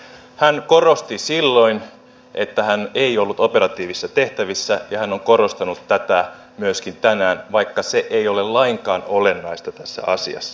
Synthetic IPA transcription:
hæŋkoro̞st̪isilːo̞in | ʔe̞t̪ːæhæneiolːut̪opeɾɑt̪iːʋisːɑt̪e̞ht̪æʋisːæjɑhænːoŋko̞ɾo̞st̪ɑnut̪ːæt̪æ | myøskint̪ænæːnʋɑikːɑseʔeio̞lellɑiŋkɑːnole̞nːɑist̪ɑt̪æsːæ̰ʔɑsḭɑ̰sːɑ̥

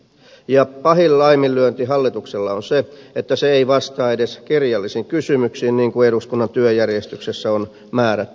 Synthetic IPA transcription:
jɑpɑhilːɑimilːyønt̪iɦɑlːit̪ukselːɑonseet̪ːæseeiʋɑst̪ɑːedeskirjɑlːisiŋkysymyksiːnniːŋkueduskunːɑnt̪yøjærjest̪yksesːæon | mæːɾæt̪ː

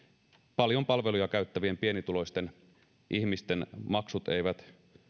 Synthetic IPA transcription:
pɑljo̞mpɑlʋe̞lujɑkæyt̪ːæʋiempie̞nit̪ulo̞jst̪e̞n | ʔiçmist̪e̞nmɑksut̪ḛjʋæt̪

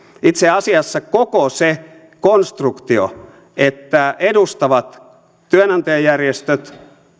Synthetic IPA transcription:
it̪seɑsiɑsːɑkokose | konst̪rukt̪io̰ | et̪ːæedust̪ɑʋɑt̪ | t̪yønɑnt̪ɑjɑjærjest̪øt̪

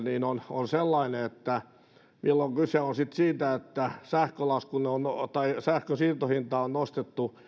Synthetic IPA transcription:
niːnononselːɑineet̪ːæ | milːoŋkyseonsit̪siːt̪æet̪ːæsæhkølɑuskuneont̪ɑisæhkøsiːrt̪ohint̪ɑonnost̪et̪ːu

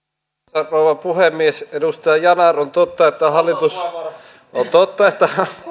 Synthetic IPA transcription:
ɑrnouʋɑpuhemːiesedust̪ɑjɑjɑnɑront̪ot̪ːɑet̪ːæhɑlːˑit̪us | ʔont̪ot̪ːɑet̪ːæ

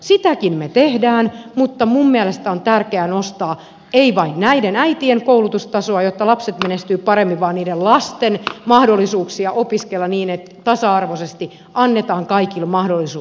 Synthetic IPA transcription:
sit̪ækinmet̪ehdæːnmut̪ːɑmumːiælest̪æont̪ærkeænost̪ɑː | eiʋɑinnæidenæit̪ieŋkoulut̪ust̪ɑsoɑjot̪ːɑlɑpset̪menest̪yːpɑremːiʋɑːnniːdellɑst̪enmɑhdolːisuːksiɑʔopiskelːɑniːnet̪t̪ɑsɑɑrʋosest̪i | ɑnːet̪ɑːŋkɑikilmɑhdolːisuː

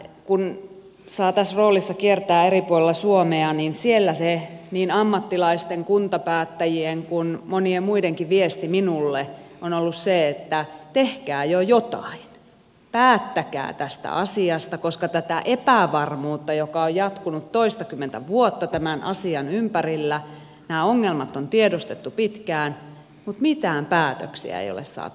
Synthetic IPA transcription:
kun | sɑːt̪æsroːlisːɑkiert̪æːeripuolelːɑsuomeɑniːnsielːæseniːnɑmːɑt̪ːilɑist̪eŋkunt̪ɑpæːt̪ːæjieŋkunmoniemmuideŋkiʋʋiest̪iminulːeʔonolːusseet̪ːæt̪ehkæːjojot̪ɑ̰in | pæːt̪ːækæ̰ːt̪æst̪æ̰ɑsiɑst̪ɑkoskɑt̪æt̪æʔepæʋɑrmuːt̪ːɑjokɑojjɑt̪kunut̪toist̪ɑkymːent̪æʋuot̪ːɑt̪æmænʔɑ̰siɑnympærilːæ | næːoŋːelmɑt̪ːont̪iedost̪et̪ːupit̪kæːn | mut̪mit̪æːmpæːt̪ø̰ksḭæ̰ḛijo̰lḛssɑ̰ːt̪u

